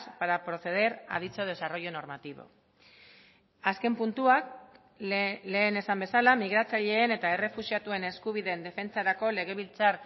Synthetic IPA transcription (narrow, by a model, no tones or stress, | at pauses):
spaɾapɾo̞θe̞ð̞e̞ɾa̰ð̞it͡so̞ð̞e̞saro̞jo̞no̞ɾmat̪iβo̞̰ | aske̞mpunt̪uak | le̞ːne̞sambe̞salamiɣ̞ɾat͡saʎe̞ːne̞t̪ae̞re̞fusiat̪ue̞ne̞skuβ̞iðend̪e̞fe̞nt͡saɾako̞le̞ɣ̞e̞βilt͡saɾ